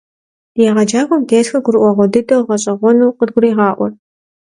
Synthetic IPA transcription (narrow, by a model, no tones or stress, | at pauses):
jɛʁɐd͡ʒaːxʷɔmɡeːtxɐɡʷʊɾɨʔʷɔʁʷɔdɨdʼɐwʁɐɕʼɐʁʷɔnuːqəd̚ɡʷʊrɾiːʁɑːʔʷɔ